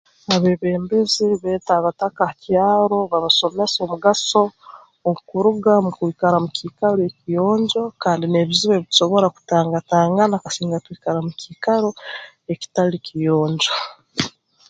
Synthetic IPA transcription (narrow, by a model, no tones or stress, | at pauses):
aβeβe̞ːmbeziβeːtaβatakacjaːɾo̞βaβaso̞mesomuɡaso̞ː | kuɾuɡamukwiːkaɾamukikaloekijoːɲɟo̞kaːndine̞βiziweβii̥ʃo̞βo̞ɾaku̥taːŋɡataːŋɡanakasiːŋɡatwikaɾamukikaɾo | eci̥talikijoːɲɟo